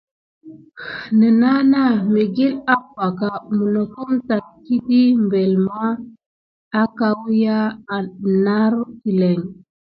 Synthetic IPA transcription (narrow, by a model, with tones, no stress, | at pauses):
nə˨na˦na˦˨me˨ɡi˦la˦pa˨ka˨mu˨no˨ku˦mta˨nki˦di˦mbe˨lmaː˦ | ka˦wja˦˨ | na˦ɾki˨le˨ŋ